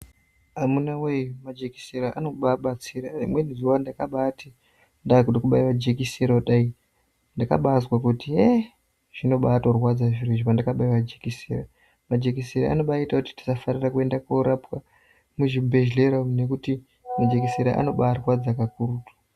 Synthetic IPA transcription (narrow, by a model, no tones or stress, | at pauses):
amunawejumad͡ʒeki̥seɾaʔano̞ɓaɓat͡siɾaimwenizuwandakaɓaːti | ndakudikuɓaiʋad͡ʒekiseɾaɗai | ndaka̰ɓaːswakutie | ʐ̥ino̞ɓaːtorwad͡zaʐiriʐipandakaɓaiʋad͡ʒekisḛra | mad͡ʒekiseɾa̰a̰no̞ɓaitakuti̥ti̥safanirakue̞ndakoɾapwa | muʐibʱe̞ʒle̞ɾane̞kuti | mad͡ʒe̞kiseɾa̰ʔa̰no̞ɓaːrwad͡zakakuɾutu̥